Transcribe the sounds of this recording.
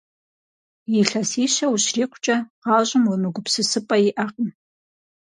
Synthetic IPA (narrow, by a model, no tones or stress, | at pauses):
iɬɐsiːʃɐwuʃriːqʷʰt͡ʃʼɐʁɑːʒʷʼʊmwʊnɨɡʷʊpsɨsɨpʼɐiʔaqʼən